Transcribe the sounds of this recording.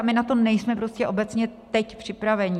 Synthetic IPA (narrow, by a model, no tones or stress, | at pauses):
amɪnat̪o̞nɛjsmɛpɾo̞scɛʔo̞bɛt͡sɲɛt̪ɛcpr̝̥ɪpɾavɛɲɪ